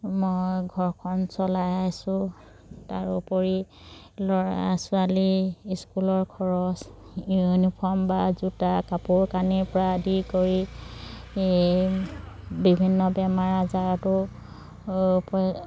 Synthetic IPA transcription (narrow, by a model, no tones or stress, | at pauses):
mojɡʱɔɹkʰɔnsɔlajajsʊ̃ | taɹupoɹi | lɔɹasʊaliskulɔɹkʰɔɹɔsjunipʰɔɹmbazutakapuɹkaniɹpɔɹadikoɹi | bibʱinːɔbɛmaɹazatʊ | pɔ